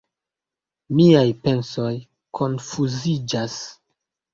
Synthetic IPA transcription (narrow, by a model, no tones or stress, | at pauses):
miajpe̞nso̞j | kʰo̞nfuzid͡ʒas